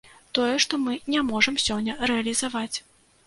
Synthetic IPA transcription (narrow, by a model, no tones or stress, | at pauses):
t̪ɔjɛʂt̪ɔmɨnʲamɔʐɐmsʲɔnʲːɐrɛɐlʲizavat͡sʲ